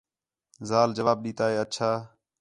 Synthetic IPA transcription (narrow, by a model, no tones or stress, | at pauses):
zaːld͡ʒəʋaːb̚ɗiːt̪aːeːətːt͡ʃʰaː